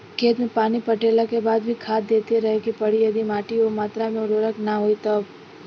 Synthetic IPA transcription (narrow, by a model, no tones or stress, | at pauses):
kʰeːt̪mẽpaːnipɐʈeːlakebaːd̪bʱikʰaːd̪̚d̪eːt̪eɾɐɦekipɐɽijɐd̪imaːʈiomaːt̪ɾamẽʊɾoːɾəknaɦoit̪ɐb